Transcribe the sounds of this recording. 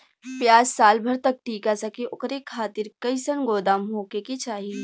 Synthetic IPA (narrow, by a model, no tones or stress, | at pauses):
pjaːd͡ʒsaːlbʱɐɾt̪ɐk̚ʈʰiːkasɐkiʔʊkɾekʰaːt̪ɪɾkɐɪsənɡoːd̪aːmɦoːkekit͡ʃaːɦi